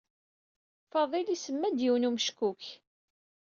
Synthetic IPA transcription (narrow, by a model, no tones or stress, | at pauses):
fɑðˤilisəmːæd̪jiwnumʃkuk